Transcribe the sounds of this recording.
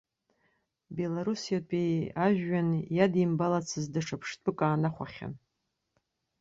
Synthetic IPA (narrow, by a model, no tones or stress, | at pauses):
be̞laɾusijatʼijaʒᶣːanjadimbalat͡sʰɨzdaʂʰapʰʂtʼɨkʼaːnaχʷa̰χʲa̰n